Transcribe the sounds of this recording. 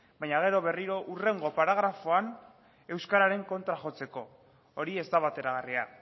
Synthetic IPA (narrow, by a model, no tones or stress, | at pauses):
bajɲaɣ̞e̞ɾo̞βe̞riɾo̞ʔure̞ŋɡopaɾaɣ̞ɾafo̞an | e̞wskaɾaɾe̞ŋko̞nt̪ɾaxo̞t͡se̞ko̞ː | ɾie̞zd̪aβat̪e̞ɾaɣ̞aria